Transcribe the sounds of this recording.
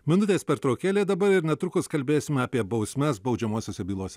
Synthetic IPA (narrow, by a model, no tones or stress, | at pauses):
mʲɪnʊt̪ʲeːspʲɛɾt̪ɾoːkʲeːlʲeːd̪ɐbɐɾɪɾnʲɛt̪ɾʊkʊskɐlʲbʲeːsʲɪmʲɛaːpʲiɛbɒʊsʲmʲɛsbɒʊd͡ʒʲɛmoːsʲoːsʲɛbʲiːlˠoːsʲɛ